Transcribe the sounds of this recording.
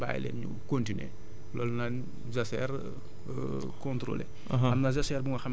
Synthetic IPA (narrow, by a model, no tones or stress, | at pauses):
ba̰ːjlɛ̰nɲṵkontinḛ | lɔːlnan | zɐsɛ̰r | kɔ̃ntɾo̰ːlḛ | ɦɐmnɐzɐsɛrbuŋɐxɐm